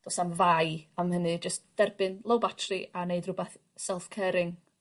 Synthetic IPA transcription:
d̥ɔsamvajamhənɨd͡ʒəstd̥ɛrbɨnlˠowbatʰrɨaneɨdrʊbɛθ | sɛlˠfkʰɛːɾɪŋ

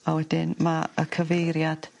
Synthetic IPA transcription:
awɛdɪnmaə̰kʰəvejɾjad̥

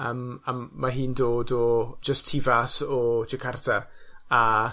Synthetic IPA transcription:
əːmaːaɦɨːndoːdɔd͡ʒəstʰivasɔd͡ʒɪkʰartʰaa

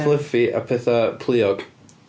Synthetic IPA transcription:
lˠəfiʔa̰pʰɛθapʰlˠiɔɡ̥

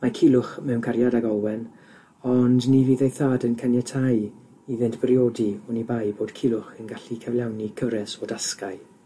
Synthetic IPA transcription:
makʰɪlˠʊχmɛwnkʰaɾjadaɡɔlwɛn | ɔndniviːðejθaːdənkʰanjɛtʰaj | iðɪntb̥rjoːdiɔnibajboːd̥kʰɪlˠʊχənɡaɬikʰəvlˠjawnikʰəvɾɛsodaskaɨ

